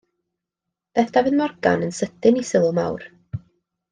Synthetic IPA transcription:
b̥ɛθavɨðmɔrɡ̥a̰nənsətɪnisɪlˠɔma̰wr

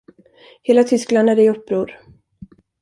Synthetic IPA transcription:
heːlat̪ʰʏskland̪æɖɛɪɵpːɾuːɾ

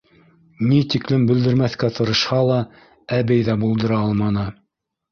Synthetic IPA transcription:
nit̪iklɘmbɘ̆ld̪ɘ̆ɾmæθkæt̪ʰɤ̆ɾɤ̆ʃhɑlˠɑ | æβɘjðæbulˠd̪ɤ̆ɾɑɑlˠmɑnɤ

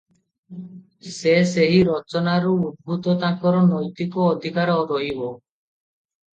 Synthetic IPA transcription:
seseɦiɾɔt͡ʃɔnaɾuud̪̚bʱut̪ɔt̪ãkɔɾɔnɔjt̪ikɔːd̪ʱikaɾɔɾɔɦibɔ

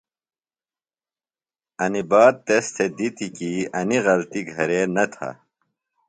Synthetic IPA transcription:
ɐnibaːd̪̚t̪est̪ʰed̪it̪ikiɐniɣɐlt̪iɡʱɐɾeːnɐt̪ʰa̰

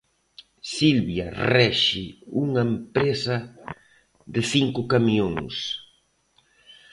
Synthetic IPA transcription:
silβjɐ̰rɛʃɪuŋɐempɾesɐ | ðɪθiŋkʊkamiõŋs

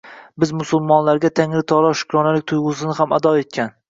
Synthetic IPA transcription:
bɪzmʊsʊlˠmɒnlaɾɡʲat̪ʰaŋlɪt̪ʰɒlˠɒʃʊ̥kʲɾɒnalɪk̚ʲt̪ʰʊjʁʊs̬ɪnɪɦama̰d̪ɒe̞t̪̚kʲʰan

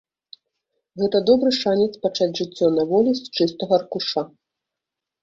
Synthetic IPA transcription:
ɣɛt̪ɐd̪ɔbɾɨʂanʲɛt̪spat͡ʂat͡sʲʐɨt͡sʲːɔnɐvɔlʲist͡ʂɨst̪ɐɣɐrkuʂa

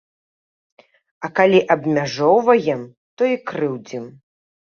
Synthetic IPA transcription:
ɐkalʲiʔɐbmʲaʐɔwvɐjɛm | t̪ɔikɾɨwd͡zʲim

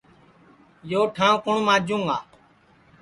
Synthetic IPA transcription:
joːʈʰãːkʊɳmãːd͡ʒũːŋɡaː

